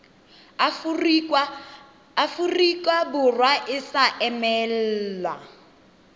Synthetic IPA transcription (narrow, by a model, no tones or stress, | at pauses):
furikwabʊrwaʔɪsaʔɛmɛl̩ːlwa̰